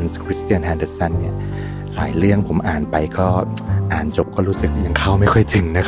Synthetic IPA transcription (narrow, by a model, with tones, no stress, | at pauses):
nskʰɾi˦˥st̪i˧ənɦɛː˧ndə˧sa˥˩nːi˥˩ɐ | la̰ː˩˦jɾɯ˥˩əŋpʰo˩˦mʔaː˨˩npa˧jkɔː˥˩ʔaː˨˩nt͡ɕo˨˩p̚kɔː˥˩ɾuː˦˥sɯ˨˩k̚ɲa˧ŋkʰa˥˩wma˥˩jkʰɔ˥˩jt̪ʰɯ˩˦ŋna˦˥kʰ